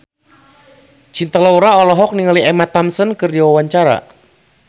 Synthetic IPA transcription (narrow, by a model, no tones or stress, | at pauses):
t͡ʃint̪əlawɾaɔlɔɦɔk̚niŋaliɛmat̪amsənkɨrdiwawaɲt͡ʃaɾa̰